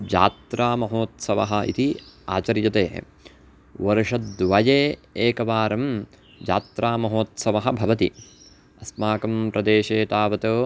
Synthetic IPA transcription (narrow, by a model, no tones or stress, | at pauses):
d͡ʒa̰ːt̪ɾaːmɐɦoːt̪sɐʋɐ̰ɦɐʔḭt̪iaːt͡ʃɐɾjɐt̪eː | ʋɐɾʂɐt̪d̪ʋɐjeːeːkɐʋaːɾɐm | d͡ʒaːt̪ɾaːmɐɦoːt̪sɐʋɐɦɐ̆bʱɐʋɐt̪ḭ | ɐsmaːkɐmpɾɐd̪eːʃeːt̪aːʋɐt̪oː